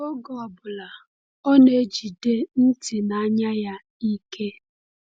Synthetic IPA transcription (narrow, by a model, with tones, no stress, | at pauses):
o˦ɡɔ˨ɔ˨bʊ˨la˨ | ɔ˦ne˨d͡ʒi˨de˦n̩˦ti˨na˨a˦ɲa˦ja˦ | i˦ke˦